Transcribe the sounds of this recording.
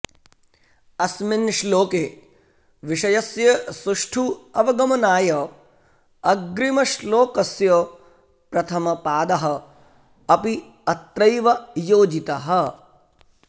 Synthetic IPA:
ɐsminʃloːkeː | ʋiʂɐjɐsjɐsuʂʈʰuɐʋɐɡɐmɐnaːjɐ | ɐɡɾimɐʃloːkɐsjɐ | pɾɐt̪ʰɐmɐpaːd̪ɐɦɐ̆ | ɐpi | ɐt̪ɾɐjʋɐjoːd͡ʒit̪ɐɦɐ̆

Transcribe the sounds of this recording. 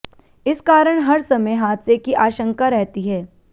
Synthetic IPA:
ɪskaːɾəɽ̃ɦɐɾsɐməjɦaːt̪sekiʔaːʃə̃ŋkaɾɛɦt̪iɦɛː

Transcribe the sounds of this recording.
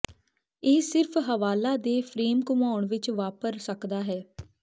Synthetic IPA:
eːsɪɾpʰɦəʋaːlaːd̪eːpʰɾeːmkʊmaːɳʋɪt͡ʃʋaːpəɾsəkd̪aːɦɛː

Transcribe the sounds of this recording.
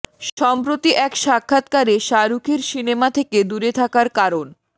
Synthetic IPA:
ʃɔmpɾot̪iʔɛkʃakʰːat̪kaɾeʃaɾukʰeɾʃinemat̪ʰeked̪uɾet̪ʰakaɾkaɾon

